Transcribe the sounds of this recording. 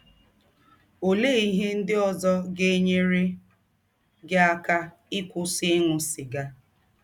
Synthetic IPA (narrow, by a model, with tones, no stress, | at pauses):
o˨le˦i˦ɦe˦n̩˦dɪ˦ɔ˦zɔ˦ɡe˦ɲe˦ɾe˦ | ɡɪ˦a˦ka˦ | ɪ˦kʷʊ˦sɪ˦ŋʷʊ˨sɪ˨ɡa˦